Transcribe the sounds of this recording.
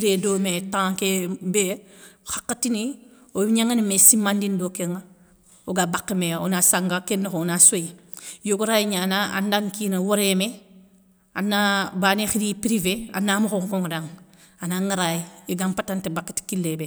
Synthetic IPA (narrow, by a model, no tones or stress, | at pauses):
ɾedoːmetãkebexḁkːatinioɲaŋanimesimːandindokeŋa | oɡabakːimeo̰nasaŋɡakenːexonasojijoɡuɾajiɲanaa̰ndaŋkinawoɾeme | anːabaːnexiɾipɾivea̰namuxoŋkoŋdaŋ | anaŋaɾajieɡampatantebakːi̥ti̥kilːebe